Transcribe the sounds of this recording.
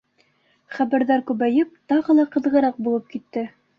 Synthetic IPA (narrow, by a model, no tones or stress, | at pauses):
χæβæɾðæɾkʉβæjɘp̚t̪ɑʁɤ̆lˠɑqɤ̆ðʁɤ̆ɾɑq̚bulˠɤp̚kit̪ːɘ